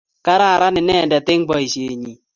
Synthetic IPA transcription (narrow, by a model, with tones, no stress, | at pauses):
ka˦ɾa˦˨ɾa˦nɪ˨nɛ˦˨ndɛ˨t̪ɪ˦ŋbɔ˨˦i˨ʃe˨ɲi˨